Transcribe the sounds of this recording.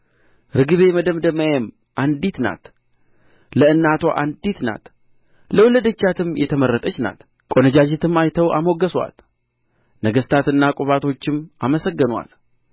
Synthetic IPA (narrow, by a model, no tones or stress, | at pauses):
ɾɨɡɨβe̞məd̪əmd̪əməjem | ʔand̪it̪na̰t̪ | ləɨnːat̪ʰo̞ʔand̪it̪na̰t̪ | ləwləd̪ət͡ʃːat̪ʰɨmjɛt̪ʰəməɾːət̪ʼət͡ʃːna̰t̪ | kʼo̞nəd͡ʒad͡ʒɛt̪ʰɨmajt̪ʰəwʔa̰moɡəswa̰t̪ | nəɡəst̪ʰat̪ɨnːakʼuβat̪ʰo̞t͡ʃːɪmaməsəɡːənwa̰t̪